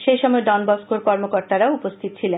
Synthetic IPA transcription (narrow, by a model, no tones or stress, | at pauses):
ʃejʃɔmɔeɖɔnbɔskoɾkɔɾmokoɾt̪aɾaupost̪ʰit̪ot͡ɕʰilen